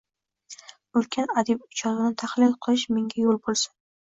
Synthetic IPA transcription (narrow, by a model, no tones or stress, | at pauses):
ʊlkʲʰanad̪ib̚ʊt͡ʃʰɒzɪnɪt̪ʰaχlɪlqʰɨlˠɪʃmeŋɡʲajolˠbolˠsḁn